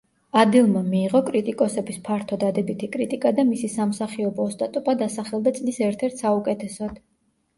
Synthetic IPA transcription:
ad̪ilˠmamiːʁɔkʼɾit̪ʼikʼɔsɛbispʰaɾt̪ʰɔd̪ad̪ɛbit̪ʰikʼɾit̪ʼikʼad̪amisisamsaχiɔbɔːst̪ʼat̪ʼupʼad̪asaχɛlˠd̪at̪sʼlisɛɾt̪ʰɛɾt̪ʰsaukʼɛt̪ʰɛsɔd̪̥

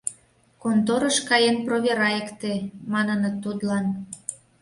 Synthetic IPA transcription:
kont̪oɾəʃkɑjenproβʲeɾɑekt̪emɑnənət̪ːud̪lɑn

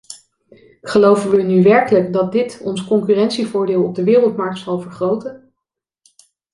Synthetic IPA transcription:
χəlowvənʋənyʋɛɹkələkdɑt̚dɪtɔnskɔŋkyrɛntsivʊːɹdeːlˠɔb̚dəʋɪːrəlˠtmɑɹk̚tsɑlˠvəɹχrowtən

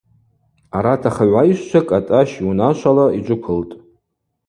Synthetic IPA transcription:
aɾatʰaχaʕʷaiʃʷt͡ʃʷʰakʼatʼaʃunaʃʷʰalaid͡ʒʷʼʊkʷʰɨltʼ

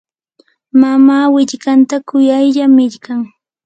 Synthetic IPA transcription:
mamaːwɪʎkant̪akʊjajʎamɪʎkaŋ

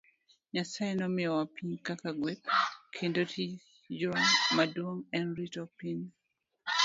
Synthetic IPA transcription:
ɲasaenɔmɪɔwapʰiɲkakaɡwet̚kʰendotʰi | d͡ʒomadwoŋɛnɾitɔpin

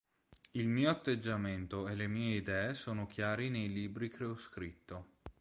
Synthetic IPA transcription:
ilmiːoat̪ːed͡ʒːament̪oelemiːeid̪ɛːesoːnokjaːɾinejliːbɾikɾeoskɾit̪ːo

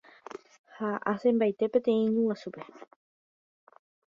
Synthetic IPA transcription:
haʔasẽmbajt̪e̞pẽt̪ẽ̞ĩɲũwasupe

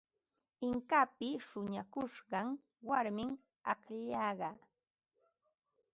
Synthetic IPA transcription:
ɪŋkapɪʃʊɲakʊʃɢɑŋ | waɾmɪŋ | akʎɑɢɑ

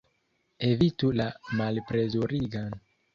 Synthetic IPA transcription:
e̞vitulamalpɾe̞zoɾiɡan

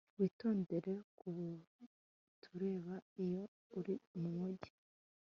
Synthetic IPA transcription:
wiːto̞ːnde̞ɾe̞kuβ | tʰuɾe̞ːβaijo̞ | uɾimumuɟi̥

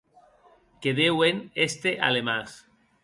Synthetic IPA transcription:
keðewenest̪eʔa̰lemas

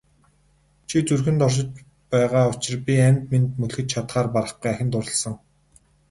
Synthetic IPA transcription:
t͡ɕʰit͡surxɘ̆nt̪ɔrʃ̬ɪ̆t͡ɕ | pæːʁaːʊt͡ɕɪ̆rpʲiænʲt̪mint̪mɵɮxɘ̆t͡ɕt͡ɕʰat̪χaːrpaɾə̆χɡujæxʲɪ̆nt̪ʊɾə̆ɮsə̆ŋ

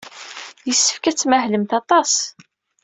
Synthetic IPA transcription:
jəsːə̥fkæt͡sːmæɦləmt̪ɑt̪ˤɑs

